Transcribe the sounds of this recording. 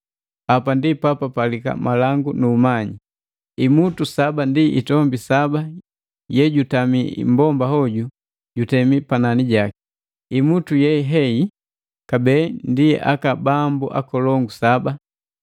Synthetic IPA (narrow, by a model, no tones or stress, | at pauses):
apandipapapalika̰malaŋɡunuːmaɲi | imutusabandiḭtɔmbisaba | jɛɟutamḭmbɔmbahɔɟu | ɟutɛmipananiɟaki̥ | imutujɛɦɛi | kabɛndiɛ̰ʔa̰kabambuʔa̰kɔlɔŋɡusaba